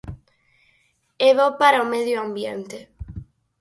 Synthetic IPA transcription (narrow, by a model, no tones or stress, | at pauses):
eβopaɾaomeðjoambjent̪e